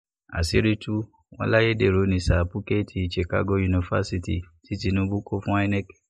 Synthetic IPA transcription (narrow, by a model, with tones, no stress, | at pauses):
a̰˨si˦ɾi˦tu˦ | wɔ̰̃˦la˦je˦de˦˨ɾo˨˦nĩ˧˦sa˨pu˦ke˦tʰi˧i˨ʃe˨ka̰˦ɡo˧˦ju˧nĩ˧fa̰˦si˧tḭ˨ | ti˨˦ti˧nũ˦bu˦ko˦fũ˦a˦˧˦nɛ̃˦k